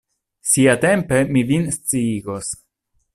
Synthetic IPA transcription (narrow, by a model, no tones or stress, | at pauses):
siat̪e̞mpe̞mivinst͡siiɡo̞s